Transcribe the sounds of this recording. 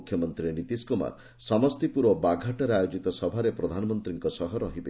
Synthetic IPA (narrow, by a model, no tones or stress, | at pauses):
kʰːjɔmɔnt̪ɾienit̪iskuma̰ɾ | sɔmɔst̪ipuɾʋɔbaɡʱaʈaɾeajod͡ʒit̪ɔsɔbʱaɾepɾɔd̪ʱanɔmɔnt̪ɾiŋkɔsɔɦɔɾɔɦibe